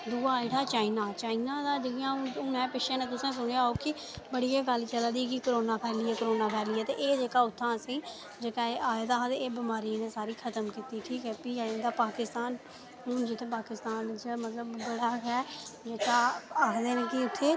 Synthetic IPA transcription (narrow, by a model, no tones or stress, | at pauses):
d̪uːaːɪʈaːt͡ʃaːinaːt͡ʃaːinaːd̪aːd͡ʒəɡjãːʊmɛ̃ːpɪʃẽːnẽːt̪ʊsẽːs̬ʊɽ̃eaːoːkɪ | bəɽieːɡəlt͡ʃəlaːd̪iːkɪkəɾoːnaːpʰɛːɾlɪɛːkəɾoːnaːpʰɛːɾlɪɛːt̪ḛːʔeːd͡ʒeːkaːʊt̪ʰːãːəsĩː | d͡ʒeːkaːeʔaːd̪aːɦãːd̪eeːbɪmaːɾiːneːsaːɾiːkʰət̪əmkiːt̪iːʈʰiːkɦɛːpiːkɦɛːed̪aːpaːkɪst̪aːn | ɦʊnd͡ʒɪt̪ʰẽːpaːkɪst̪aːnt͡ʃəmət̪ləbːəɽaːɦɛːd͡ʒeːkaːaːkʰd̪eːnẽːkɪʊt̪ʰːeː